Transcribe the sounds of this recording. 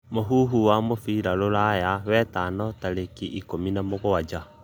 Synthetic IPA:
moɦuɦuwamofiɾalolajawɛtanɔtalekiʔikominamoɣoad͡ʒa

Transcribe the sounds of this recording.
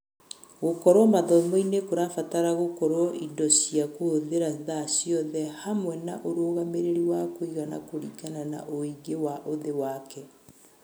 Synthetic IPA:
ɣokɔɾwɔmaðɔmɔinekoɾafataɾaɣokɔɾwɔʔidɔsiakoːðeɾaðasijɔðɛhamwɛnaʔoɾoɣameɾeɾiwakoiɣana̰koɾikanana̰ʔoiɡewaʔoðewakɛ

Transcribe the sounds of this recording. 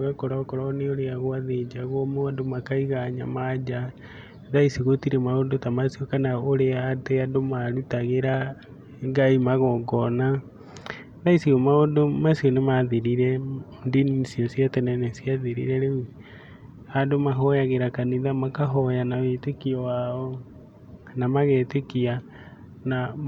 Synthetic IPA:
wɛkoɾakɔɾɔneoɾeaɣoaðed͡ʒaɣɔmoadomakaiɣaɲa̰mad͡ʒa | ðaisiɣotiɾemaondotamasiɔkanaoɾeadeadomaɾutaɣeɾa | ŋɡaimaɣɔɡɔna | ðaisiɣɔmaondomasiɔnemaðiɾiɾɛ | ndinisiɔsjatɛnɛnɛsiaðiɾḭɾɛɾei | adomaɦɔjaɣeɾakaniðamakaɦɔjanawetekiɔwaɔ | namaɣetekia | na

